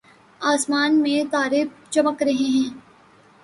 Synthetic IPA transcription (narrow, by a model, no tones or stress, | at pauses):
aːsmaːnmẽt̪aːɾep̚t͡ʃɐməkɾɐɦeɦɛ̃ː